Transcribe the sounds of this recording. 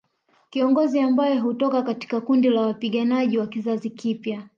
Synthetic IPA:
kiɔŋɡɔziambajɔɦutɔkakati̥kakundilawapiɠanaʄiwakizazikipja

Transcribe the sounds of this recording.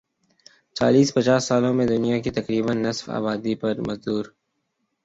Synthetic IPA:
t͡ʃa̰ːliːspɐt͡ʃaːsːaːlõmẽd̪ʊnijakit̪ɐkɾiːbənːɐsfa̰ːbaːd̪ipɐɾmɐzd̪uːɾ

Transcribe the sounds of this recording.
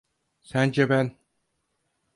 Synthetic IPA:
sænd͡ʒɛbæn

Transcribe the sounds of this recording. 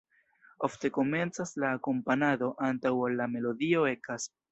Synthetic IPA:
o̞fte̞ko̞me̞nt͡saslaːko̞mpanado̞ʔantawalːame̞lo̞dio̞e̞kas

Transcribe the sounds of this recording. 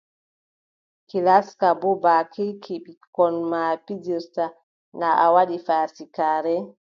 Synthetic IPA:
kilaskabɔbaːkʰikʰiɓikɔnmapid͡ʒiɾta | naʔawaɗifasikaːɾɛ

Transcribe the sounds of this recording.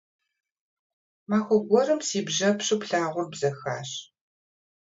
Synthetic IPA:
maːxʷɔɡʷɔrɨmsiːbʒɐpʂɨpɬaːʁʷʊrbzɐxa̰ːɕ

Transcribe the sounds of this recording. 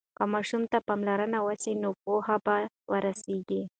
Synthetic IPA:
kamɑʃumt̪apamlaɾənawəsinop̚ohaba | wəɾaseɡi

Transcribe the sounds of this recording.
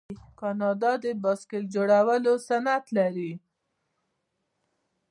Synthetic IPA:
kɑnɑd̪ɑd̪əbɑskeld͡ʒoɽawəlosanat̪laɾi

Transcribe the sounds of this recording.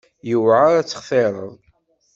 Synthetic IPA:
jəwʕaɾæt͡sːə̥χθeɾˤə̰ðˤ

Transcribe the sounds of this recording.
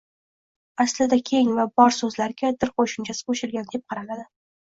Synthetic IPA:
aslɪd̪akʲʰe̞ŋvabɒɾsɵzlaɾɡʲad̪ɪɾqʰoʃɪmt͡ʃʰasɪ̥qʰoʃɪlɡʲand̪e̞p̚qʰɑɾalad̪ɪ

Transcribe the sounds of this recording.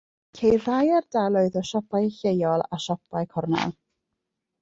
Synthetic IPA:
kʰejrajardalˠɔɨðɔʃɔpʰajɬejɔlˠaʃɔpʰajkʰɔrna̰lˠ

